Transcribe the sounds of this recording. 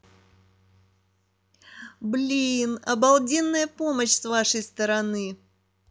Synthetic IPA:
blʲinɐbɐlˠdʲinːəjəpoməɕsvaʂəjst̪əɾɐnɨ

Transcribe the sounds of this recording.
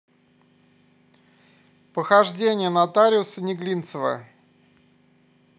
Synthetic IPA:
pəxɐʐdʲenʲɪjənat̪aɾʲɪʊsənʲɪɡlʲint̪səvə̰

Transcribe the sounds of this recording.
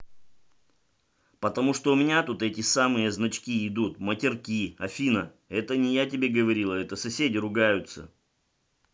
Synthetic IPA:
pət̪ɐmuʂt̪oʊmʲɪnʲat̪ut̪ɛtʲɪsamɨjəznɐt͡ɕkʲiɪd̪ut̪mətʲɪrkʲiɐfʲinə | ɛt̪ənʲɪjat̬ʲɪbʲeɡəvɐɾʲilˠəɛt̪əsɐsʲedʲɪɾʊɡajʊt̪sə̰

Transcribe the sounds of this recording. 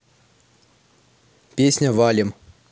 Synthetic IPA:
pʲesʲnʲəvalʲɪm

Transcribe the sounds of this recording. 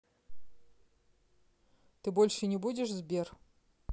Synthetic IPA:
t̪ɨbolʲʂɨnʲɪbudʲɪʂzbʲer

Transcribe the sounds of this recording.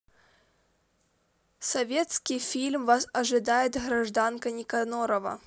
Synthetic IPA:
sɐvʲet̪skʲijfʲilʲmvasɐʐɨd̪ajɪt̪ɣɾɐʐd̪ankənʲɪkɐnoɾəvɐ̰

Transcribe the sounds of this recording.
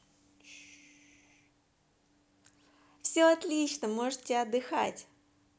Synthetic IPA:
fsʲoɐt̪lʲit͡ɕnəmoʐɨt̪tʲɐd̪ːɨxa̰tʲ

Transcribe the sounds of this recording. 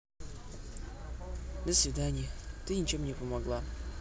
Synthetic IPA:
d̪əsvʲɪd̪anʲɪjət̪ɨnʲɪt͡ɕe̞mnʲɪpəmɐɡlˠa

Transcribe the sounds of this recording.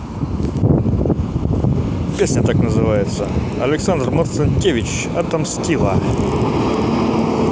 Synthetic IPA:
pʲesʲnʲət̪aknəzɨvajɪt̪sə | ɐ̰lʲɪksand̪rmɐt̪sɨnʲtʲːevʲɪt͡ɕ | at̪ɐmsʲkʲilˠa̰

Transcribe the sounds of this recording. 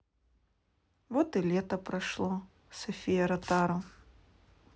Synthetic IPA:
vɔt̪ɨlʲɛt̪ɐpɾɐʂlˠɔ | sɐfʲijɐɾɐt̪aɾɐ

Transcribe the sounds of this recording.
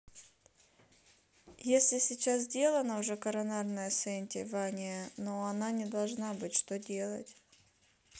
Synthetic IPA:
jesʲlʲɪsʲɪt͡ɕazzʲdʲe̞lˠənəʊʐɛkɐɾɐnarnəjəsɛnʲtʲɪ̰vanʲɪjənoɐnanʲɪd̪ɐlˠʐnabɨtʲʂt̪odʲe̞lˠə̰tʲ

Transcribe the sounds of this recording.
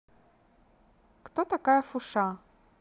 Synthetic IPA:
kt̪ɔt̪akajɐfʊʂa

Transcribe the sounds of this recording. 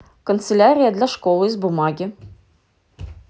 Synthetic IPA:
kə̆nt̪sɘlʲaɾʲɪjad̪lʲæʃkolˠɨizbumɑɡʲɪ

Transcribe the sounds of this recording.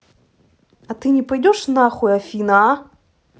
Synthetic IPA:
ɐt̪ɨnʲɪpɐjdʲɔʂnaxʊɐfʲina

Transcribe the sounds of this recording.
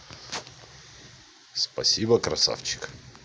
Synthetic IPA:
spɐ̰sʲibəkɾɐsa̰ft͡ɕɪ̥k

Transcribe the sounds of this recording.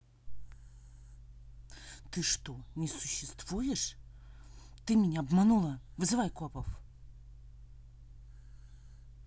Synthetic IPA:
t̪ɨʂt̪onʲɪsʊɕːɪst̪v̥ujɪʂ | t̪ɨmʲɪnʲaɐbmɐnulˠəvɨzɨvajkʊapəf

